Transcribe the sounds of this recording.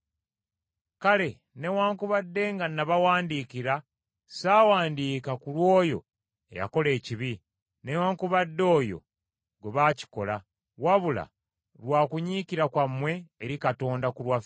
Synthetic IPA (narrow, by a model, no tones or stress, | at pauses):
kale̞ | newaːŋkuβadːe̞ːŋɡanːaβawaːndiːkiɾa | saːwaːndiːkakulwo̞ːjo̞̰ | ḛja̰ko̞le̞ːciβi | ne̞waːŋkuβadːo̞ːjo̞̰ | ɡeβaːci̥ko̞la | waβula̰ | lwaːkuɲiːkiɾakwamːwe̞ːɾikato̞ːndakulwaf